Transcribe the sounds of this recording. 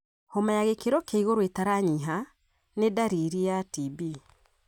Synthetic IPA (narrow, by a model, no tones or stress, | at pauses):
hɔmajaɣekeɾɔkʰeiɣoɾwetaɾaɲiɦa | nedaɾiɾijatibi